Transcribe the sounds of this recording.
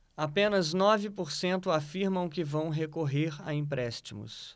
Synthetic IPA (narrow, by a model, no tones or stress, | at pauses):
apẽnɐznɔvɪpoɾsẽnt̪ʊafiɾmɐ̃w̃kɪvɐ̃w̃ɦekoɦeɾa̰ĩpɾɛst͡ʃimʊ̰s